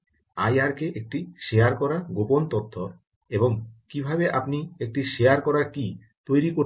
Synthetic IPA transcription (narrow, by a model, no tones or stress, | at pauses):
ajaɾkeʔek̚ʈiʃejaɾkɔɾaɡopont̪ot̪ʰːo | eboŋkibʱabeʔapniek̚ʈiʃejaɾkɔɾaki | t̪ojɾiko